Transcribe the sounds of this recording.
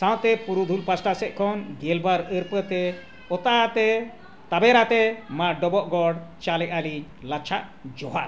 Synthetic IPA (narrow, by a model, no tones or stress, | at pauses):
sãw̃t̪ɛpuɾud̪ʱulpasʈasɛʔ̚kʰɔnɡɛlbaɾəɾpət̪ɛ | ɔt̪aat̪ɛ | t̪abɛɾat̪ɛmãɖɔbɔʔɡɔɽt͡ʃalɛʔali | lat͡ʃʰaʔ | d͡ʒɔɦaʔ